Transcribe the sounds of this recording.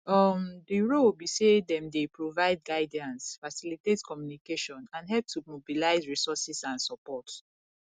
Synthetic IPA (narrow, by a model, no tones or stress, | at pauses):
ɔmdiɹobisedɛ̃mdepʰɹovaɪd̚ɡaɪdiãnsfasilitetkɔmjunikeʃɔ̃nãnɦɛlp̚tʰumobilaɪzɹisɔsɛsãnsɔpɔt